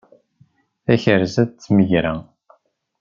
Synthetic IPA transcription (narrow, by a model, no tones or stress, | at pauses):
æçəɾzæðt͡sːməʝɾæ